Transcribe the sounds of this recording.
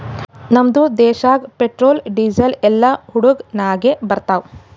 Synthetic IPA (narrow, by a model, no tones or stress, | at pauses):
nɐmd̪ud̪ɛːʃaːɡpeʈɾoːlɖiːd͡ʒɐlɛlːɐhuɽuɡnaːɡebɐɾt̪aːw